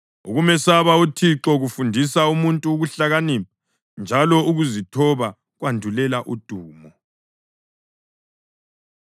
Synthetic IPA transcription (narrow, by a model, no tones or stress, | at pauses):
ṵɣumɛsaβautʰiǁɔɣufundʱisaumuntʼuːɣuɬaɣanima | nd͡ʒʱalɔuɣuzitʰɔβa | ɣwandʱulɛlaʔud̥ʱuːmɔ